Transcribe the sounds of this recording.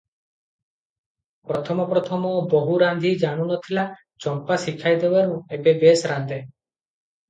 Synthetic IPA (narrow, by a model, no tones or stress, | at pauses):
pɾɔt̪ʰɔmɔpɾɔt̪ʰɔmɔbɔɦuɾand̪ʱid͡ʒaɽ̃unɔt̪ʰila | t͡ʃɔmpasikʰajd̪ebaɾũebebesɾand̪ʱe